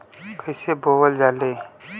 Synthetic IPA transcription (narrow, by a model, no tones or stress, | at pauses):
kəɪseboːwəld͡ʒaːleː